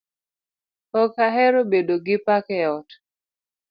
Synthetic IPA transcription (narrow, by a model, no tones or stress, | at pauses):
ɔkaɦɛɾobedoɡɪpakɛɔt